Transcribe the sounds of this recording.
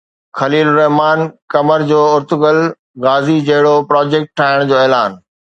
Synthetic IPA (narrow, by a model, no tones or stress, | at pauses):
xɐliːlɾɐɦmaːnkɐməɾd͡ʑoːʊɾt̪ʊɡəl | ɣaːzid͡ʑɐɦɪɽopɾɔːd͡ʑeːk̚ʈʈʰːaːɪɽ̃d͡ʑoːɛːlaːn